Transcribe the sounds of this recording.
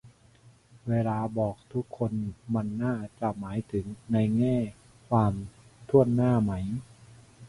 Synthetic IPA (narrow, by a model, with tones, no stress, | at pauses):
weː˧laː˧bɔː˨˩k̚t̪ʰu˦˥kʰːo˧nma˧nːaː˥˩t͡ɕa˨˩maː˩˦jt̪ʰɯ˩˦ŋna˧jŋɛː˥˩ | kʰwaː˧mt̪ʰu˥˩ənːaː˥˩ma˦˥j